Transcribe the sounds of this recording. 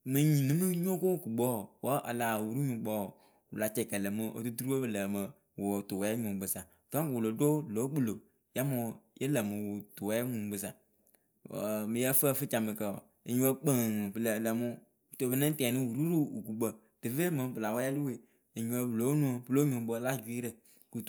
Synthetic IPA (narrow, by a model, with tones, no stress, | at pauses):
mɨ˨ɲĩ˨nĩ˨˦mɨ˦ɲ˦o˦ko˦wu˨ku˨ɡ͡bɔ˦˨wɔ˦ʔa˨la˨wu˨ɾu˦ɲũ˨˦ɡ͡bɔ˦˨ | ṵ˨la˨t͡ʃɛ˨kə˨lə˨mɨ˨ʔo̰˨du˦tu˦ɾu˦o˦bɨ˨lə˨mə˨ | wo˨tu˨wɛ˨˦ɲũ˨bɨ˨sa˨ta˦kwu˨lo˨do˦lo˨˦k͡pu˦˨lo˨ | ja˦mo˨jʔe˦lə˨mɨ˨wo˨tu˨wɛ˦ɲũ˨˦bɨ˨sa˨ | mi˨jɛ˦fə˦˨fɨ˦t͡ʃa˨mə˨kə̰˨ | e˨ɲũ˦ə˦k͡pə˨bɨ˨lə˨lə˨mo˦˨ | to˨bə˦nɛ̃˦n˦tɛ˨nĩ˦wu˨ɾu˦ɾu˦u˨ku˨ɡ͡bə˨ | tɨ˨ve˦mə˨˦bɨ˨la˨wa˦ja˦lu˦we˨ | e˨ɲũ˦ə˦blo˨˦nũ˦o˨bɨ˦lo˦ɲõ˨˦bo˦la˦d͡ʒu˨i˦ɾə˨ | ku˨